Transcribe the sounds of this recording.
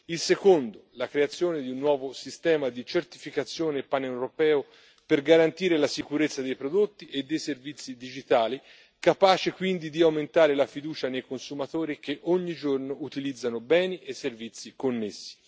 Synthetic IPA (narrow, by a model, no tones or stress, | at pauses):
ilsekond̪olakɾeat̪sːjoːned̪iunːwɔːvosist̪ɛːmad̪it͡ʃert̪ifikat̪sːjoːneːpːanewɾopɛːo | perɡaɾant̪iːɾelasikuɾet̪sːad̪ejpɾod̪ot̪ːiʔed̪ːejservit̪sːid̪id͡ʒit̪aːli | kapaːt͡ʃekwind̪id̪iawment̪aːɾelafid̪uːt͡ʃanejkonsumat̪oːɾik̟eʔoɲːid͡ʒornoʔut̪ilid̪zːanobɛːniʔesːervit̪sːikonːesːi̥